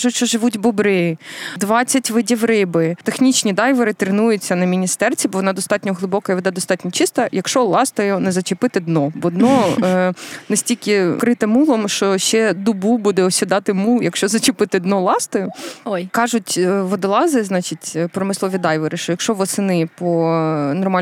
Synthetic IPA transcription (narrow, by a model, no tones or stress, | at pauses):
ʒʊʃt͡ʃɔʒɪʋutʲbɔbɾɪjid̪ʋɑt͡sʲːɐtʲʋɪdʲiʋɾɪbɪt̪exnʲit͡ʃnʲid̪ɑjʋɐɾɪt̪ɾɪnujʊt͡sʲːɐnɐmʲinʲist̪ɛrt͡sʲibɔʋɔnɑd̪ɔst̪ɑtʲnʲɔɦlˠɪbɔkɐiʋed̪ɛd̪ɔst̪ɑtʲnʲɔt͡ʃɪst̪ɐjɐkʃɔlˠɑst̪ɐjɔnɛzɐt͡ʃɪpɪt̪ɪd̪nɔbɔd̪nɔ | nesʲtʲilʲkɪkɾɪt̪ɪmːulˠɔmʃt͡ʃɔʃt͡ʃɛd̪ʊbubud̪ɛɔsʲid̪ɑt̪ɪmulˠjɐkʃt͡ʃɔzɐt͡ʃɪpɪt̪ɪd̪nɔlˠɑst̪ɐjʊjkɑʒʊtʲʋɔd̪ɪlˠɑzɪznɑt͡ʃitʲpɾɔmɪslˠɔʋʲid̪ɑjʋɐɾɪʃt͡ʃɔjɐkʃɔʋɔsɪnɪpɔnɔrmɑ